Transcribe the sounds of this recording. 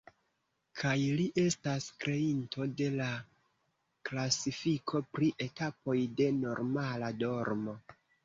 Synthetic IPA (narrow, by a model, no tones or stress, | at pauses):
kʰajliʔe̞staskɾe̞into̞de̞la | klasifikʰo̞pɾiʔe̞tapo̞jde̞no̞ɾmalado̞ɾmo̞